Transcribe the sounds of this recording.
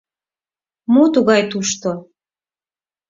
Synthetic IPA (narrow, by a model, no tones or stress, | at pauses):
mot̪uɣɑjt̪uʃt̪o